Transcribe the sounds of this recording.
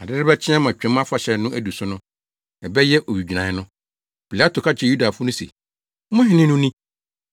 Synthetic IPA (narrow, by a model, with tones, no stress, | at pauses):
a˨dɪ˦ɾɪ˦bɛ˦t͡ɕʰɪ̃˦ɛ̃˦mã˨t͡ɕᶣɛ̃˨˦m˦ã˦fa˨ɕɛ˨˦nʊ̃˦ʔæ˦˨du˨sʊ˦nʊ̃˦ | ɛ˨bɛ˦jɛ˦ʔo˨ɥi˨d͡ʑᶣi˨nã˨ɪ˦nʊ̃˦ | pʰi˨la˦tʰo˨kʰa˦t͡ɕʰɛ˦˨ju˦da˨fʊ˦nʊ̃˦sḛ˨˦ | mʊ̃˦ɦɪ̃˨˦nɪ̃˦nʊ̃˦nĩ˦